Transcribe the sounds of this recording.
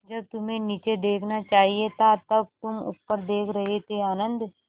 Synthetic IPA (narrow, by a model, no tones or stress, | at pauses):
d͡ʒɐb̚t̪ʊmẽniːt͡ʃed̪eːkʰnat͡ʃaːɦiet̪ʰat̪ɐb̚t̪ʊmʊ̰tpəɾd̪eːkʰɾɐɦet̪ʰeaːnə̃nd̪